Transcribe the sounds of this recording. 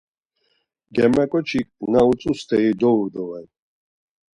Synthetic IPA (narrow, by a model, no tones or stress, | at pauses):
ɡɛmɛkʼɔt͡ʃʰikʼnaut͡sʼust̪ʰɛid̪ɔuɾd̪ɔvɛn